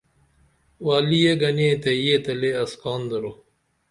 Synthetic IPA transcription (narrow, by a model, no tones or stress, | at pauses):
waːlijeɡɐnet̪ejet̪ɐleɐskɑːnd̪ɐɾo